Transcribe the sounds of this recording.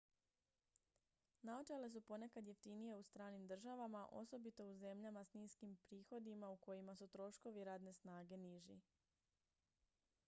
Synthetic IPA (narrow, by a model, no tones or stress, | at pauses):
nao̞t͡ʃele̞s̬upo̞ne̞kad̪je̞ft̪inije̞ust̪ɾaːnimd̪r̩ʒaʋamaʔo̞̰so̞bit̪o̞uze̞mʎamasniːskimpɾiːxo̞d̪imauko̞jimasut̪ɾo̞ʃko̞ʋiɾaːd̪ne̞snaːɡe̞niʒḭ